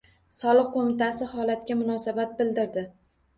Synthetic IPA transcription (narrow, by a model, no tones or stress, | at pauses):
sɒlˠɨq̚qːomɪt̪asɪhɒlat̪kʲamʊnɒsabat̪̚bɪld̪ɪɾd̪ɪ